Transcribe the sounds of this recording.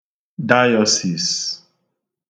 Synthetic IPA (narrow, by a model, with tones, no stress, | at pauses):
da˦jɔ˦si˨s